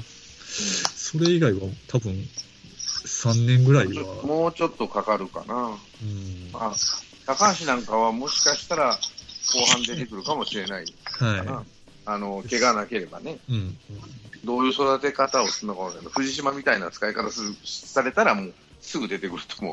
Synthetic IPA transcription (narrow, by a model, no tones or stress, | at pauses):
so̞ɾe̞iɡaiβat̪ʰabɯ̟̃n | sãnːẽ̞ŋɡɯ̟ɾaiamo̞ːt͡ɕo̞t̪ːo̞kakaɾɯ̟ka̰na | ɯ̃ma | t̪akãɰɕinãŋkaβ̞amo̞ɕi̥kaɕi̥t̪aɾako̞ːɦãnd̪e̞t̪e̞kɯ̟ɾɯ̟kamo̞ɕiɾe̞naihaia | ano̞ke̞ɡanake̞ɾe̞ba̰ne̞ɯ̃ɴ | d̪o̞ːjɯ̟ːso̞d̪at̪e̞kat̪ao̞sɨnːokaad̪oɸɯ̟ʑiɕimamʲit̪ainat͡sɨ̥kaikat̪assaɾe̞t̪aɾamo̞ː | sɨɡɯ̟d̪e̞t̪e̞kɯ̟ɾɯ̟t̪omo̞̰